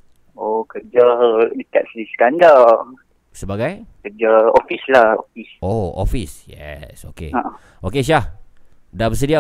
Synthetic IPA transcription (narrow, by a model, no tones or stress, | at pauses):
okəd͡ʒadikat̪̚sədiskanda | səbaɡajkəd͡ʒao̰fislaho̰fisoo̰fisjɛ̰so̰kḛa | okeʃ̬ah | dabəs̬ədia